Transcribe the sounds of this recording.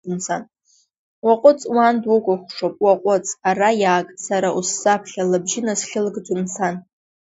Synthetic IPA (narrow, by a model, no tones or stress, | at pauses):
nsʰan | waqʷʼʊt͡sʼwandwʊkʷʼʊχʷʂopʼwaqʷʼʊt͡sʼarajaːkʼsaɾaʔusːapʰχʲalabʒɪnasɬʲɪlɡd͡zʷʼʊnsʰan